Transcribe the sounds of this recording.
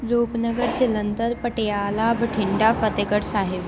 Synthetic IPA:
ɾoːpnɐɡəɾd͡ʑɪlənd̪əɾpɐʈejaːlaːbɐʈʰɪɳɖaːfɐt̪eɡəɽsaːɦɪb

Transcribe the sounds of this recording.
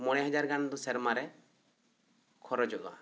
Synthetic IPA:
mɔɽ̃ɛɦad͡ʒaɾɡanɔd̪usɛɾmaɾɛ | kʰɔɾɔd͡ʒɔʔa̰

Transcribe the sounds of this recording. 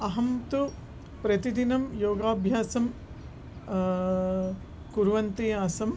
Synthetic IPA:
ɐɦɐmt̪u | pɾɐt̪id̪inɐmjoːɡaːbʱjaːsɐm | kuɾʋɐnt̪ejaːsɐm

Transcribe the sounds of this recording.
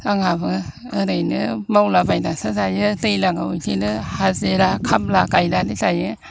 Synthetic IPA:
aŋabɯ | ɯɾɯjnɯmawlabajdasazajɯtɯjlaŋa̰wujtʰijnɯhazeɾakʰab̚lakajdalizajɯ

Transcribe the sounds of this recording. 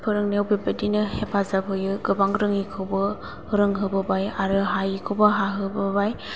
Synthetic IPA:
pʰɯɾɯŋnewbebadinɯhepʰazabʰɯjɯɡɯbaŋɾɯŋikʰɯwbɯ | hɯɾɯŋɦɯbɯbajaɾɯɦajikʰɯwbɐɦaɦɯbɯbaj

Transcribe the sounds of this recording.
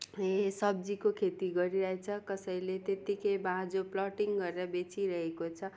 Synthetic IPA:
sʌb̚d͡zikokʰet̪iɡʌɾiɾʌɦet͡sʰʌkʌsʌilet̪et̪ikʌjbãd͡zoplʌʈiŋɡʌɾeɾʌbet͡siɾʌɦekot͡sʰʌ

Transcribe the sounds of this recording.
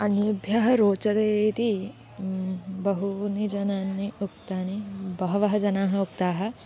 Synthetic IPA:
ɐnjɐbʱjaɦɐ̆ɾoːt͡ʃɐt̪eːt̪i | bɐɦunid͡ʒɐnaːnːiuk̚t̪aːnibɐɦɐʋɐɦɐd͡ʒɐnaːɦɐukt̪aːɦɐ̆

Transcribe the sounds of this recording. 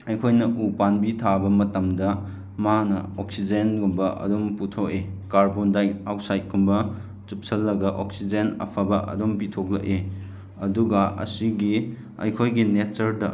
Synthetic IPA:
ɐjkʰojnɐʔupanbitʰabɐmɐtɐmdɐ | manɐok̚sid͡ʒenɡumbɐʔɐ̰domputʰokekaɾbondajawsajt̚kumbɐ | t͡ʃup̚sʰɐlːɐɡɐʔok̚sid͡ʒenɐ̰pʰabɐʔɐ̰dompitʰok̚lɐ̰ʔe | ɐduɡɐɐ̰siɡi | ɐ̰jkʰojɡinet̚t͡ʃɐɾdɐ

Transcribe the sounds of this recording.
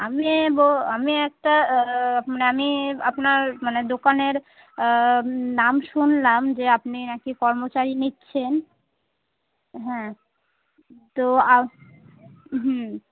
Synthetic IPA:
amiboamiɛk̚ʈa | maneamiapnaɾmaned̪okaneɾ | namʃunlamd͡ʑeapninakikɔɾmot͡ɕaɾinitːɕʰen | ɦɛ̃ | t̪oa | ɦ

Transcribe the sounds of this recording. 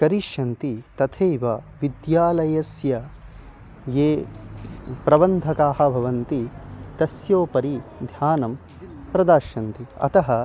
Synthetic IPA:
kɐɾiʃɐnt̪it̪ɐt̪ʰeːʋɐʋid̪jaːlɐjɐsjɐ | jeː | pɾɐbɐnd̪ʱɐkaːɦɐ̆bʱɐʋɐnt̪it̪ɐsjoːpɐɾid̪ʱjaːnɐm | pɾɐd̪aːʃɐnt̪iɐ̰t̪ɐɦɐ

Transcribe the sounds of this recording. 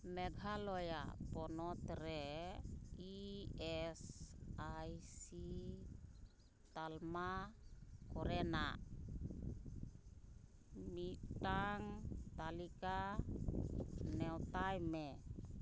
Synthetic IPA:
meɡʱɦaloja̰pɔnɔt̪ɾe | iɛsajsi | t̪alma | kɔɾena̰ | mitaŋt̪alika | nɛwt̪ajme

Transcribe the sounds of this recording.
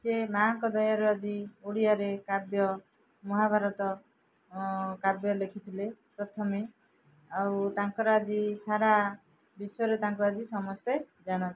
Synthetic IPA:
semaŋkɔd̪ɔjaɾuad͡ʒiuɽijaɾekabjɔ | mɔɦabʱaɾɔt̪ɔ | kabjɔlekʰit̪ʰilepɾɔt̪ʰɔmi | awt̪aŋkɔɾɔad͡ʒisaɾa | bisɔɾet̪aŋkɔad͡ʒisɔmɔst̪e | d͡ʒaɽ̃ɔnt̪i̥

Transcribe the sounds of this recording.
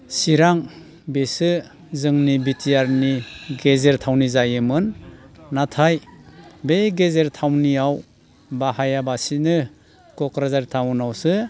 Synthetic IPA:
siɾaŋ | besɯ | zɯŋnibitʰijaɾniɡezeɾtʰawnizajɯmɯnː | atʰajbeɡezeɾtʰawniaw | bahajabasinɯ | kɔkɾazaɾtʰawnawsɯ

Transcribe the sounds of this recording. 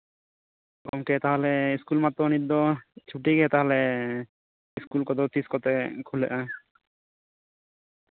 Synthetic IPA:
kɔ̰mket̪aɦɔleiskulmat̪ːɾɔnid̪ɔt͡ʃʰuʈiɡɛt̪aɦɔle | iskulkɔd̪ɔt̪iskɔt̪ekʰulɛ̰ʔa

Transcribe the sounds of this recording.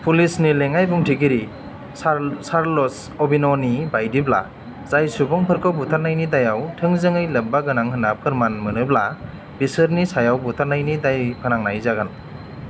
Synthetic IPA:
pʰulisnileŋajbuŋtʰiɡiɾi | saɾlɔs | ɔbinɔnibajdibla̰ | zajsubɔŋpʰɯɾkʰɔbutʰaɾnajnidajawtʰɯŋzɯŋɯjlɯb̚baɡɯnaŋhɯnapʰɯɾmanmɯnɯbla | bisɯɾnisajawbutʰaɾnajnidajpʰɯnaŋnajzaɡan

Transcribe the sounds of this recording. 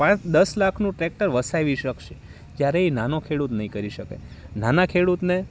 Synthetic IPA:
pãt͡ʃd̪əslakʰnũʈɾek̚ʈəɾʋəsaʋiʃəkʃe̥ | d͡ʒjaɾeinanokʰeɽut̪nəɦĩkəɾiʃəka̰jnanakʰeɽut̪ne

